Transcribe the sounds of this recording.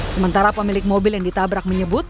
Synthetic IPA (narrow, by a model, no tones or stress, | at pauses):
səmənt̪aɾapəmilɪk̚mobɪljaŋdit̪abɾak̚məɲəbʊt̪̚